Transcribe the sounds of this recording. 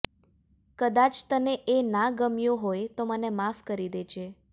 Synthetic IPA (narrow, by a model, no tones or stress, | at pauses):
kəd̪at͡ʃt̪əneʔenaɡəmjoɦojt̪omənemafkəɾid̪ed͡ʒʰe